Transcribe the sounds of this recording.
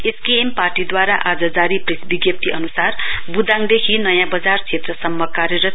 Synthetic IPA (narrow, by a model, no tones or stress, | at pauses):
eskeemparʈid̪waɾaʔad͡zʌd͡zaɾipresbiɡjʌp̚t̪ʰiʌnusarbud̪ãŋd̪ekʰinʌjãbʌd͡zart͡sʰet̪rʌsʌmːʌkaɾjʌɾʌ